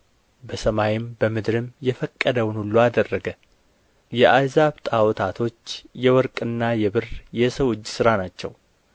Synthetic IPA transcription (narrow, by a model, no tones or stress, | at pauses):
bəsəmajɪmbəmɨd̪ɾɨmjɛfəkʼːəd̪əwʊnhulːuad̪ərːəɡə | jɛʔajzaβt̪ʼawɔt̪ʰat̪ʰo̞t͡ʃːjɛwɔɾkʼɨnːajɛβɨrjɛsəwɨd͡ʒːsɨɾanat͡ʃːɛ̰w